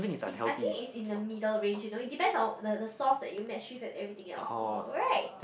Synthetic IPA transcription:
θɪ̃ŋisla̰hɛ̰aɪĩŋkitsĩnəmidəlɹẽnd͡ʒjunoit̚dipɛ̃ndsɔ̃ndədəsɔsdɛ̰t̚jumɛʃifɛtɛvɹit̪ɪ̃ŋɛ̰lsɹaɪt̚

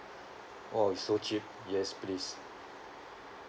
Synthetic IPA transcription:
oisot͡ʃip̚ | jɛsplis

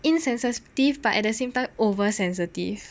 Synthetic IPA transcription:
ʔĩnsɛ̃nsəstifbatɛ̰t̚dəsẽmtãɪ̃movəsɛ̃ns̬itḭf

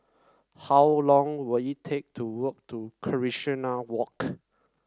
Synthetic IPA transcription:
hawlɔ̃ŋwiitʰek̚tʰuwək̚tʰukʰəɹiʃinawɔk

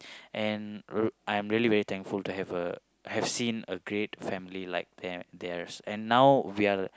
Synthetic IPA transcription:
ʔɛ̃najɛ̃mɹiəlivɛɹit̪ʰɛ̃ŋkfultuɦɛvə | hɛv̥sĩnəɡɹetfɛ̃mililaɪk̚d̪ɛd̪ɛɹsɛ̃nːawwia

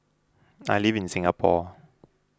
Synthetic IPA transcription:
a̰livinsɪŋapɔː

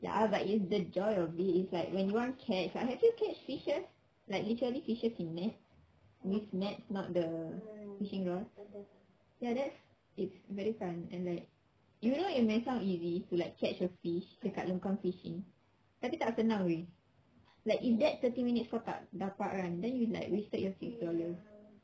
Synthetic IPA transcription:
ja̰batitsdəd͡ʒɔjɔfdiitslaɪkwɛ̃njuwãnkʰɛt͡ʃba̰hɛvjukʰɛt͡ʃfiʃəs | laɪk̚litəɹəlifiʃəsĩnːɛt̚ | wifnɛt̚snɔt̚dəfiʃĩŋɹɔl | jadɛts | itsvɛɹifãnɛ̰̃nlaɪk̚ | junoit̚mẽsãʊ̃nizitulaɪkʰːɛt͡ʃjɔfiʃdəkaʔlũŋkãŋfiʃḭ̃ŋ | tapit̪asənãwe | laɪkifdɛt̚t̪ətĩmĩnitsfɔta̰ʔdapaʔ̚ɹãndɛ̃njula̰ɪkwistət̚jɔsiksdɔləs

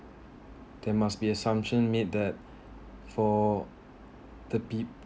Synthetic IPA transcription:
d̥ɛmasbiəsãmpʃə̃nmed̚dɛt̚ | fɔ | d̥əpip

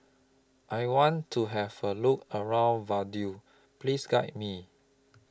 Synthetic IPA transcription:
ʔajwɔ̃ntʰːuɦɛvəlukəɹãʊ̃nvadju | plisɡajt̚mi

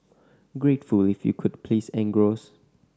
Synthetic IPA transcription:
ɡɹetfulifjṵkʰʊd̚pʰlisɛ̃ŋɡɹos

